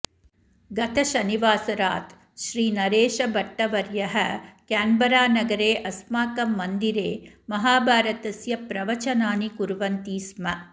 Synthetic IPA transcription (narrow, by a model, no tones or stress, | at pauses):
ɡɐt̪ʰɐʃɐniʋaːsɐɾaːt̪ | ʃɾiːnɐɾeːʃɐbɐʈːɐʋɐɾjɐɦɐkaːmbɐɾaːnɐɡɐɾeːʔɐsmaːkɐmːɐnd̪iɾeː | mɐɦaːbʱaːɾɐt̪ɐsjɐpɾɐʋɐt͡ʃɐnaːnikuɾʋɐnt̪iːsmɐ